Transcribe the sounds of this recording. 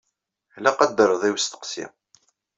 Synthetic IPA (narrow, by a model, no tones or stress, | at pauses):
læqəd̪ːəɾəðˤiwəst̪ə̥qsḭ